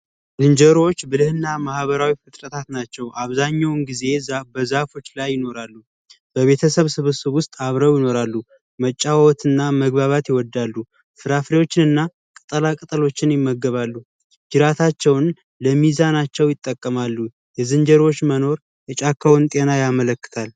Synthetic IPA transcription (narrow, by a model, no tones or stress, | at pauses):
zɨnd͡ʒəɾo̞t͡ʃːbɨlɨhɨnːamahβəɾawifɨt̪ʼɾət̪ʰat̪nat͡ʃːɛwʔaβzaɲːawnɡize̞bəzafo̞t͡ʃːlajːɪno̞ɾalːu | b̥əβe̞t̪ʰəsəβsɨβɨsɨβwʊst̪ʼaβɾəwjɪno̞ɾalːu | mət͡ʃʼːawwɔt̪ʰɨnːaməɡβaβat̪jɪwɔd̪ːalːu | fɨɾafɾewo̞t͡ʃːɪnɨnːa | kʼɨt̪ʼəlakʼɨt̪ʼəlo̞t͡ʃːɪnjɪmːəɡːəβalːu | d͡ʒɨɾat̪ʰat͡ʃːɛwn | ləmizanat͡ʃːɛwjɪt̪ʼːəkʼːəmalːu | jɛzɨnd͡ʒəɾwo̞t͡ʃːməno̞ɾ | jɛt͡ʃʼakʰːawɨnt̪ʼe̞najamələkːɨ̥t̪ʰal